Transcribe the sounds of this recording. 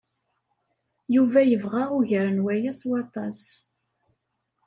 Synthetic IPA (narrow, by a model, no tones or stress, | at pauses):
juvæjəvʁaʁʊʝəɾənwæjæswɑt̪ˤɑs